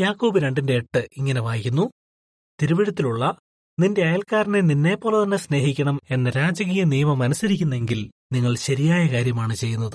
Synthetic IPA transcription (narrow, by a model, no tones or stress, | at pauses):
jaːkːoːbɨɾe̞ɳɖinde̞ːʈːɨiŋːɐne̞ʋaːjikʲːunːu | t̪iɾuʋiɽɐt̪ːiluɭːɐ | ninde̞ɐjɐlkaːɾɐneninːe̞ːpːo̞ːlet̪ɐnːe̞sne̞ːhikʲːɐɳɐme̞nːɐɾaːd͡ʑɐɣiːjɐnijɐmɐmɐnɐsɐɾikʲːunːe̞ŋɡil | niŋːɐɭɕɐɾijaːjɐkaːɾjɐmaːɳɨt͡ɕe̞jːunːɐðɨ